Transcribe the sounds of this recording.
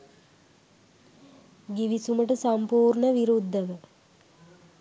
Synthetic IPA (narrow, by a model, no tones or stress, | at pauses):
ɡiʋisuməʈəsampuːɾɳəʋiɾud̪ʱːəʋə